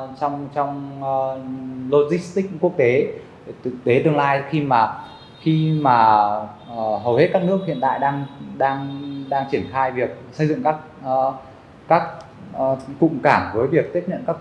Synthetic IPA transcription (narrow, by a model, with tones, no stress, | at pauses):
t͡ɕɔ˧wŋ͡mt͡ɕɔ˧wŋ͡m | lo˧t̚zi˦˥st̪ï˦˥k̚ku˦˥ək̚t̪e˨˦˨ | t̪ɨ˨t̪e˨˦t̪ɨ˧əŋlaː˧jxi˧maː˨˩ | xi˧maː˨˩˨ | ɦə˨˩whe˦˥t̚kaː˦˥k̚nɨ˦˥ək̚hi˧˨ənt̪a̰ː˧˨jɗaː˧ŋɗaː˧ŋɗaː˧ŋt͡ɕi˧˩ənxaː˧jvi˨˩ək̚sə˧jzɨ̰˧˨ŋkaː˦˥k̚ː | kaː˦˥k̚ː | kʊ̰˧˨ŋ͡mkaː˧˩ŋvəː˨˦jvi˨˩ək̚t̪i˦˥əp̚ɲə̰˧˨nkaː˦˥k̚